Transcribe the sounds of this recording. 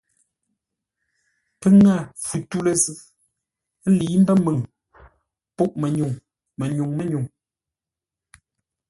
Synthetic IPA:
pə˦ŋa˦˨fʉ˨tu˦lə˨zʉ˦˨˦ | li˨˦m̩˦bɛ˦mɨ˨ŋ | pɔ˦ʔmɛ˨ɲu˨ŋ | mɛ˨ɲu˨ŋmɛ˦ɲu˨ŋ

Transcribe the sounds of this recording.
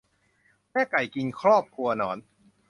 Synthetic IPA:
mɛː˥˩ka˨˩jki˧nkʰɾɔː˥˩p̚kʰɾu˧ɐnɔː˩˦n

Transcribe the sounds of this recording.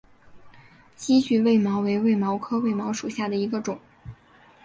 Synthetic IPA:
t͡ɕi˥t͡ɕy˧˥˧we˥˩ɪmɑ˧˥ʊwe˧˥ɪwe˥˩ɪmɑ˧˥ʊkʰɤ˥we˥˩ɪmɑ˧˥ʊʂu˨˩ɕja˥˩d̪ə˩i˧˥ɡə˧ʈ͡ʂʊ˨˩˦ŋ

